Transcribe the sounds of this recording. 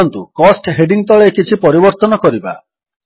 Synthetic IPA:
nt̪ṵkɔsʈɦeɖiŋt̪ɔɭekit͡ʃʰipɔɾibɔɾt̪ɔnɔkɔɾiba̰

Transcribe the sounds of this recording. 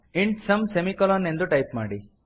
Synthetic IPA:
iɳɖsɐmsemikɔlɔːne̞nd̪uʈɐjpma̰ːɽi

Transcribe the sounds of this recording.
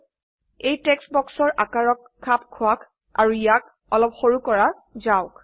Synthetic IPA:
ejtɛksbɔksɔɹʔakaɹɔkʰːapkʰʊak | a̰ɹuijak | ɔlɔpxoɹukɔɹa | zaʊk

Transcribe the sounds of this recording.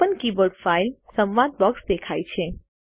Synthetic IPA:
ənkibəɖfaːɪlsə̃mʋaːd̪̚bɔːksd̪eːkʰaːit͡ʃʰẽ

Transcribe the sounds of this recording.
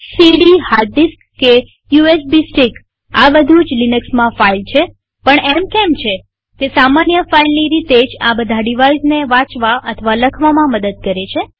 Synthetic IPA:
siɽihaɾd̪iskːe | juesbisʈik | aʋəd̪ʱud͡ʒlinəksmãfailt͡ʃʰe | pəɳɛmkɛmt͡ʃʰe | kesamanjəfailniɾit̪ed͡ʒabəd̪ʱaɖiʋaizneʋãt͡ʃʋaʔət̪ʰəʋaləkʰʋamãməd̪əd̪̚kəɾet͡ʃʰe

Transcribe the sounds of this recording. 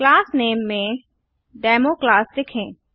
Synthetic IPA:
klaːsneːmːẽ | ɖaːmoːklaːsd̪ɪkʰẽː

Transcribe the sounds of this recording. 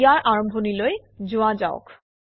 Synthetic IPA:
jaɹʔaɹɔmbʱoniloj | d͡ʑoad͡ʑaʊ̰k

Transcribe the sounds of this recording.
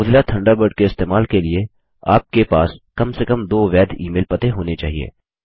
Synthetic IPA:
ʊd̪lat̪ʰɐ̃ɳɖabəɾɖkeɪst̪eːmaːlkelie | aːp̚kepaːskɐmsekɐmd̪oːʋɛːd̪ʱḭːmeːlpɐt̪eɦoːnet͡ʃa̰ːɦiḛː

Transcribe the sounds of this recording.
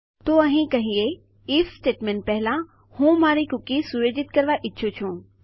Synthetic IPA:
t̪oɐɦĩkɐɦĩe | iːfsʈeːʈmẽːɳʈ̚pɛɦɪlã | hũmaːɾikʊkisʊɾed͡ʑɪt̪kɐɾʋaʔɪːʃʰot͡ɕʰũː

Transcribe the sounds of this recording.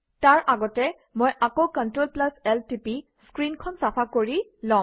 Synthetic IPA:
taɹʔaɡɔtɛ | mojʔakowkɔntɹolplasɛltipiskɹinkʰɔnsapʰakoɹilɔ̃

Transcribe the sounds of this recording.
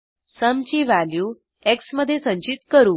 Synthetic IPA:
səmt͡ɕiːʋæljuː | eksməd̪ʱːjesə̃ɲt͡ɕit̪kəɾuː

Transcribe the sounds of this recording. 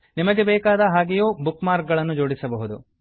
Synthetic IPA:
nimɐɡe̞bɛːkaːd̪ɐɦaːɡejoːbukmaːɾk̚ɡɐɭɐnːud͡ʒo̞ːɽisɐbɐɦud̪u

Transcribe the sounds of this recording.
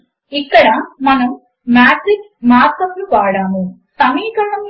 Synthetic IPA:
ikːɐɽaːmmɐnɐm | maːʈrikː | maːkɐpːlɨpaːɽaːmu | sɐmiːkɐɾɳɐm

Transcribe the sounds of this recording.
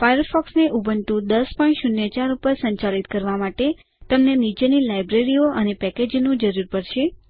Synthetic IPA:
fajəɾfɔksneʔubʱənt̪ũd̪əspɔĩɳʈʃunjət͡ʃaɾupəɾsə̃ɲt͡ʃalit̪kəɾʋamaʈe | t̪əmnenid͡ʒənilajbɾeɾioʔənepɛked͡ʒnũd͡ʒəɾuɾpəɽʃe

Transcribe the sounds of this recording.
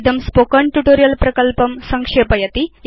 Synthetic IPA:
d̪ʱɐmspoːkɐɳʈuʈoːɾijɐlpɾɐkɐlpɐmsɐŋkʂeːpɐjɐt̪i

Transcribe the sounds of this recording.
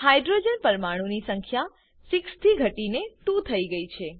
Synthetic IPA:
hajɖɾod͡ʒənpəɾmaɽ̃unisəŋkʰja | sikst̪ʰiɡʱəʈinet̪ũt̪ʰəiɡəit͡ʃʰe

